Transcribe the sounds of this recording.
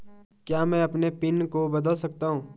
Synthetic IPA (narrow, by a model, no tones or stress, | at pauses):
kjaːmɛ̃ɐpnepɪnkobɐd̪əlsɐk̚t̪aːɦũː